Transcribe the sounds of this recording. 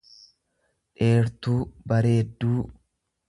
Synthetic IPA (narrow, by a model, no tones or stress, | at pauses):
ᶑe̞ːɾt̪uːbɐɾe̞ːd̪ːuː